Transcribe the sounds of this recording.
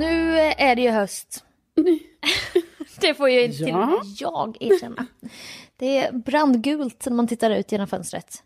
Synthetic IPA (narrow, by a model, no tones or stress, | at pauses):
nʉ̟ːæɖɛjɵɦœst̪ | d̪̥ɛfoːɾjaɪnjɑːɡæːʃɛnːa̰d̪̥ɛːbɾand̪ɡʉ̟ːlt̪æmant̪ʰɪt̪ːaɾʉ̟̰ːt̪jeːnɔmfœ̰nst̪ɾə̰t̪